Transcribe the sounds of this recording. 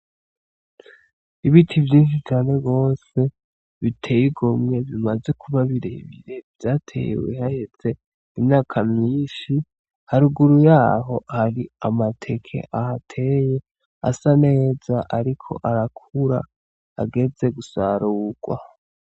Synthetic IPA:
iβitʰivjiːnʃ̬it͡ʃaːne̞ɡo̞ːse̞ | βitʰe̞jiɡomŋe̞βimaze̞kʰuβaβiɾḛβḭɾe̞vjaːtʰe̞̰j̰wḛhahet͡se̞ | imɲaːkʰamɲiːnʃi | haɾuɡuɾujaːɦo̞haɾiamatʰe̞kʰe̞̰ʔahatʰe̞je̞ | a̰sane̞ːz̥aʔaɾikʰo̞̰ʔaɾakʰuɾa̰ː | ɡe̞ze̞ɡusaɾuːɡ̥wa̰

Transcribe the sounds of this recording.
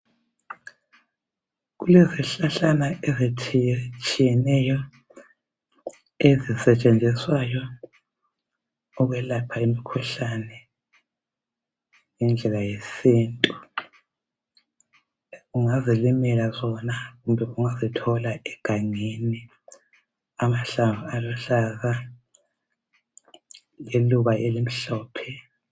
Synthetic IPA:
ɣulɛziɬaɬanaʔezitʰt͡ʃʼijɛnɛjɔ | ezisɛt͡ʃʼend͡zʱiswajɔ | ɔɣwɛlapʰaimikʰuɬanɛ | ŋɛnd͡ɮʱɛlajesiːntʼu | ɣuŋazilimɛlazɔnaɣumbʱɛʔuŋazitʰɔlaɛɡ̥ʱaŋeni | amaɬaŋaalɔɬaza | leluβaʔelim̩ɬɔːpʰɛ

